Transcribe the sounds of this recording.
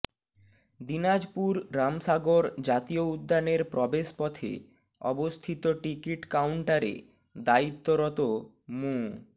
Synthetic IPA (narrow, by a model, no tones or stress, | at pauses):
d̪inad͡ʑpuɾɾamʃaɡoɾd͡ʑat̪ioud̪ʱːaneɾpɾɔbeʃpɔt̪ʰḛ | ɔ̰bost̪ʰit̪oʈikiʈkawɳʈaɾḛ | d̪ait̪ːoɾɔt̪o | mu